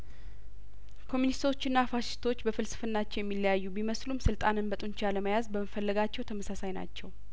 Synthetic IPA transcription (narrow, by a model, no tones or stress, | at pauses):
kʰo̞munist̪ʰo̞t͡ʃːɪnːafaʃɪ̥st̪ʰo̞t͡ʃːbəfɨlsɨ̥fɨnːat͡ʃːɛwjɛmːilːəjajːubiməslumsɨlt̪ʼanɨnbət̪ʼunt͡ʃaləməjazbəməfəlːəɡat͡ʃːɛwt̪ʰəməsasajna̰t͡ʃːɛw